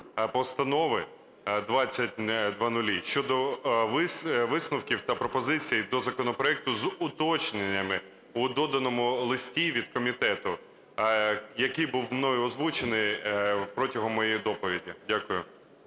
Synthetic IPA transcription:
pɔst̪ɐnɔʋɪ | d̪ʋɑt͡sʲːɐtʲd̪ʋɑnʊlʲiʃt͡ʃɔd̪ɔʋɪʋɪsnʊwkʲiwt̪ɐpɾɔpɔzɪt͡sʲijid̪ɔzɐkɔnɔpɾɔɛk̚t̪ʊzʊt̪ɔt͡ʃnenʲːɐmɪ | ud̪ɔd̪ɐnɔmʊlˠɪsʲtʲiʋʲid̪̥̚kɔmʲit̪ɛt̪ʊ | jɐkɪjbuwmnɔjʊɔzʋut͡ʃenɪjpɾɔtʲɐɦɔmːɔjejid̪ɔpɔʋʲidʲidʲakʊjʊ

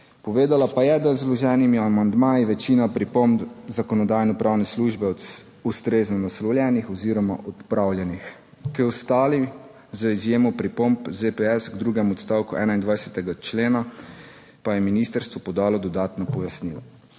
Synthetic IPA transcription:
pɔʋeːd̪alapajɛd̪azlɔʒɛːnimiamand̪maːjiʋɛt͡ʃiːnapɾipombzakɔnɔd̪aːjnɔpɾaːwnɛsluʒbɛ | ust̪ɾeːznɔnaslɔwljɛnixɔziːɾɔma̰ʔɔt̪pɾawljɛnix | kiɔst̪aːli | zəizjeːmɔpɾipombzepɛɛsɡd̪ɾuːɡɛmɔt̪st̪aːwkuʔɛːnaind̪ʋajsɛt̪ɛɡat͡ʃleːna | pajɛminist̪əɾst̪ʋɔpɔd̪aːlɔd̪ɔd̪aːt̪nɔpɔjasnila

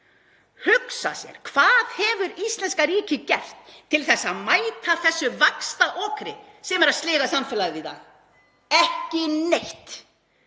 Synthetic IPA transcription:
hʏksa̰sjɛ̰ɾ̥kʰv̥aːðhɛvʏɾist̪lɛnskaɾiːcɪcɛft̪ʰːɪlθɛsːaaðmaːjt̪ʰaθɛsːʏvakst̪aʔɔːkɾɪ | sɛmɛɾaðst̪lɪːɣasamfɪːlaðɪvɪt̪a̰ɣ | ɛhcɪnejht̪

